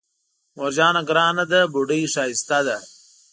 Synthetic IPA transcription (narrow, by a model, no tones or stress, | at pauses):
moɾd͡ʑaːnɐɡɾaːnɐd̪ɐbuɖijʂaːist̪ad̪ɐ